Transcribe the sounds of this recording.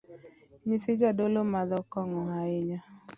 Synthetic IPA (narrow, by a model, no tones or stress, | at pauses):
ɲesɪd͡ʒadolomazɔkɔŋɔɦaɪɲa